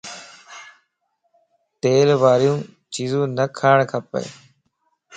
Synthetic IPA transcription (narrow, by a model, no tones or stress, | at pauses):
t̪eːlʋaːɾjũː | t͡ʃiːzũːnəkʰaːɳkʰəpə̰ː